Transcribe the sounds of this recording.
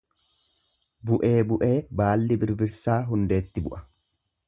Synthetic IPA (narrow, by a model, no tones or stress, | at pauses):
bʊʔe̞ːbʊʔe̞ːbaːlːɪbɪɾbɪɾsaːɦʊnd̪e̞ːt̪ːɪbʊʔɐ̥